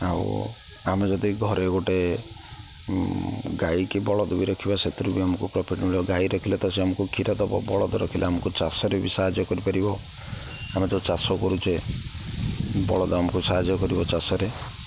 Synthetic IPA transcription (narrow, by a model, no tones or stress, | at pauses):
a̰w̰ | amed͡ʒɔd̪iɡʱɔɾeɡoʈe | ɡaikebɔɭɔd̪ɔbiɾɔkʰibaset̪uɾubiamɔkupɾɔpʰiʈnuɭɔɡajɾɔkʰilet̪ɔseamɔkukʰiɾad̪ɔbɔ̰bɔɭɔd̪ɔɾɔkʰilʔaamɔkut͡ʃasɔɾebisaɦad͡ʒjɔkɔɾipaɾibɔ | amet̪ɔt͡ʃasɔkɔɾut͡ʃe | bɔ̰ɭɔd̪ɔamɔkusaɦad͡ʒjɔkɔɾibɔt͡ʃasɔɾe